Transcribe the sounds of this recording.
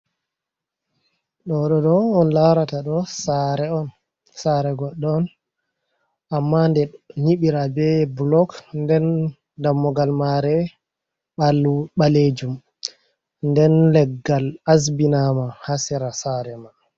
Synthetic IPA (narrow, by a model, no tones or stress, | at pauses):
ɗɔɗɔɗɔɔnlawɾataɗɔsaɾɛɔn | saɾɛɡɔɗːɔːn | ʔamːandɛɲiɓiɾabɛblɔkndɛn | damːɔɡalmaɾɛ | ɓalɓaled͡ʒum | ndɛnlɛɡːalas̬binamahasɛɾasaɾɛma